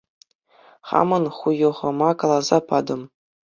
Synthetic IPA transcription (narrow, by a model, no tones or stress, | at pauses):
χɑ̰mɤ̆nχujɤ̆ʁɤ̆mɑkɑlˠɑzɑpɑd̪ɤ̆m